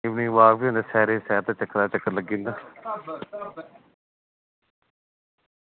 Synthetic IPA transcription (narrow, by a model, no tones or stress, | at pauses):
ɪʋnĩːʋaːkbiːõːnd̪eːsɛːɾeːsɛːɾt̪aːt͡ʃəkːɾaːt͡ʃəkːəɾləɡĩːnd̪aː